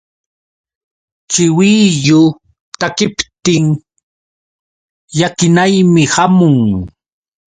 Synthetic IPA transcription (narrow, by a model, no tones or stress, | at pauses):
t͡ʃɪwiʎʊ | t̪akɪpt̪ɪŋ | jakɪnajmɪhamʊŋ